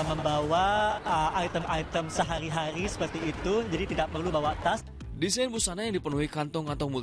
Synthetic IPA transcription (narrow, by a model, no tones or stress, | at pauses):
məmbawaəʔajt̪əmajt̪əmsəɦaɾiɦaɾisə̥pərt̪iːt̪ud͡ʒadit̪idak̚pərlubawat̪as | disajnbusanajaŋdipənuɦikant̪ɔŋkant̪ɔmu